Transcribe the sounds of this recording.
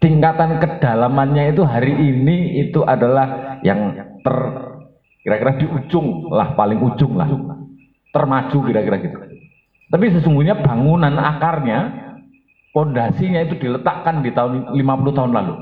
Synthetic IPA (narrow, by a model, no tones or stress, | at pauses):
t̪iŋkat̪ankəd̥alamanɲait̪uɦaɾiʔiniit̪uʔadalahjaŋt̪ər | kiɾakiɾahd̥iʔu̥d͡ʒʊŋla̰hpalɪŋu̥d͡ʒʊŋla̰h | t̪ərmḁd͡ʒ̥ukiɾakiɾaɡit̪u̥ | t̪apisəsuŋɡuɲab̥aŋunana̰karɲa | pɔndasiɲait̪ud̥i̤lət̪aʔkandit̪aʊnlimapuluht̪aʊnlalu